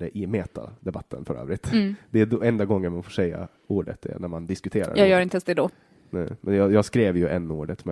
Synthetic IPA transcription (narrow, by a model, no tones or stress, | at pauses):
ɛʔɪmeːt̪ʰa̰d̪ɛbat̪ʰːə̰nfœɾø̰ːvɾɪt̪ːd̪ɛæd̪ɛnd̪aɡɔŋːəɳmanfoːʂɛjːa̰ | uːɖə̰t̪ʰɛ̰næɾmand̪ɪskɵt̪ʰeːɾa̰jɑɛːɡjœːɾɪnt̪əɛnsd̪ɛd̪o | nɛːmʔɛnjɑjɑːɡskɾeːvjɵʔɛnːuːɖət̪mɛ